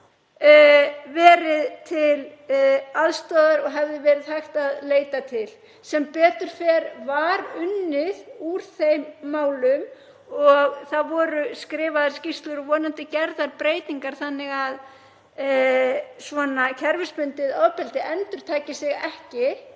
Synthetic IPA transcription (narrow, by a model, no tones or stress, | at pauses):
vɛːɾɪðt̪ʰɪl | aðst̪ɔːðaɾɔɣɦɛvðɪvɛːɾɪðθajxt̪aðleːjt̪at̪ʰɪl | sɛmpɛːt̪ʏɾ̥fɛɾvaɾʏnːɪðuɾ̥θejmːaːwlʏm | ɔɣθaðvɔːɾʏskɾɪːvaðaɾ̥scist̪lʏɾɔɣvɔːnant̪ɪcɛɾðaɾpɾeːjt̪niŋkaɾ̥θanːɪɣað | svɔnacʰɛɾvɪspʏnt̪ɪðɔðpɛlt̪ɪʔɛnt̪ʏɾ̥t̪ʰaːcɪsɪɣɛhcɪ